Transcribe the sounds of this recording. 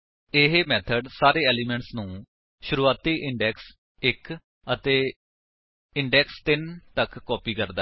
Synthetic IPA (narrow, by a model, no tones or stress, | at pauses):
ɪɦeːmɛːt̪ʰəɖsaːɾeːɛːliːmɛ̃ːɳʈsnũː | ʃʊɾuːaːt̪iːʔɪɳɖɛːks | ɪk | ət̪eː | ɪɳɖɛːkst̪ɪnt̪əkːɔːpiːkəɾd̪a